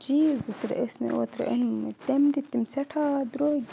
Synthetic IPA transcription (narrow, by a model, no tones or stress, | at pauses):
d͡ʒizɨt̪ɾ̰ʔesmḛʔo̰t̪ɾ̰ʔḛnmt̪emd̪it̪imseʈʰad̪ɾo